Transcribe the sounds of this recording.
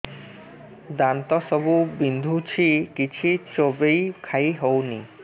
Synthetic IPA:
d̪ant̪ɔsɔbubind̪ʱut͡ɕʰikit͡ɕʰit͡ʃobejkʰajɦowni

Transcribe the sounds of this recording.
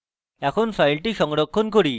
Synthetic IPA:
ɛkʰonfʰajlʈiʃɔŋɾokʰːonkoɾi

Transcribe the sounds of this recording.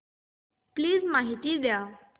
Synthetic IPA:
pliːd͡zmaɦit̪iːd̪ja

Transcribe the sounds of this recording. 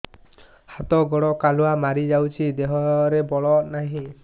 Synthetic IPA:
hat̪ɔɡɔɽɔkaluamaɾid͡ʒawt͡ʃʰid̪eɦɔɾebɔɭɔnaɦĩ

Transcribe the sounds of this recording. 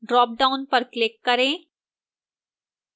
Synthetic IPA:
ɖɾɔːp̚ɖaʊnpəɾklɪkːəɾẽː

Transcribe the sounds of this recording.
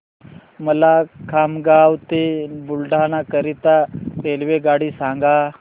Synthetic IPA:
məlakʰamɡawt̪ebulɖʱanakəɾit̪aelʋeɡaɽiːsaŋɡa

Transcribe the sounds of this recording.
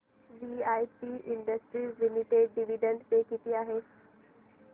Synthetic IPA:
ʋiaːjpiʔɪ̃ɳɖəsʈɾiːzlɪmɪʈeɖɖɪʋiɖə̃ɳɖt̪ekit̪iaːɦeː

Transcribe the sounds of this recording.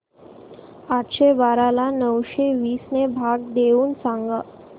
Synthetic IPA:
aʈ̪ɕebaɾalanəwɕeʋiːsnebʱaɡ̚d̪euːnsãŋɡa

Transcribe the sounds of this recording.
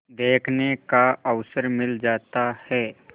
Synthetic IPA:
d̪eːkʰnekaəʋsəɾmɪld͡ʒaːt̪ahɛː

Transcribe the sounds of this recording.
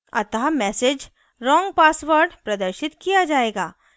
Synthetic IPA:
ɐ̰t̪ɦamɛːsed͡ʒ | ɾɔ̃ːŋɡ̚paːsʋəɾɖpɾɐd̪əɾʃɪt̪kijad͡ʒaːeːɡaː

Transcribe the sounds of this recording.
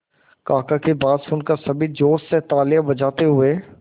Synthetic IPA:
kaːkakebaːd̪sfʊ̃nkasɐbʱid͡ʒoːsset̪aːljabɐd͡ʒaːt̪eɦʊeː

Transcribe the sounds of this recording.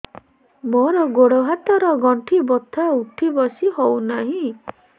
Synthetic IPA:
mɔɾɔɡoɽoɦat̪ɔɾɔɡɔɳʈʰibɔt̪ʰauʈʰibɔsihownaɦĩ

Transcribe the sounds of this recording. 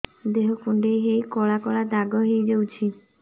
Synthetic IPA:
d̪eɦokuɳɖeɦejkɔɭakɔɭad̪aɡɔɦejd͡ʒewt͡ʃʰi

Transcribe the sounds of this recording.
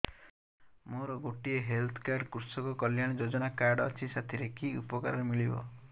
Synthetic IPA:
moɾɔɡoʈieɦelt̪ʰɔ̥kaɾɖkuɾsɔkɔkɔljaɽ̃d͡ʒod͡ʒɔnakaɾɖɔ̰t͡ʃʰisat̪ʰiɾekiṵpɔka̰ɾɔɾemiɭibɔ̰

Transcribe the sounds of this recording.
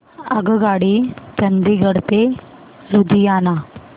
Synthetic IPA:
əɡəɡaɽit͡ɕənd̪iɡəɽt̪e | ɾud̪ʱijana

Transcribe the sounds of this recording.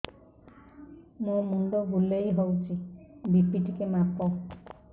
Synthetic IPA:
mũmuɳɖoɡulejɦowt͡ʃʰibipiʈikemapɔ

